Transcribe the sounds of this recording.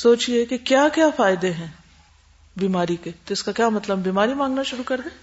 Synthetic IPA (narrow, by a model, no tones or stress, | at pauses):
soːt͡ʃiɛkekjaːkjaːfaːjɪd̪eɦɛ̃ː | biːmaːɾiket̪oɪskakjaːmɐt̪ləbːiːmaːɾimãːŋɡnaʃʊɾukɐɾd̪ẽː